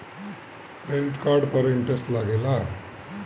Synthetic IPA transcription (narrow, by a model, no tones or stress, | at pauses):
elʈkaːɾɖpɐɾiɳʈɾesʈlaːɡela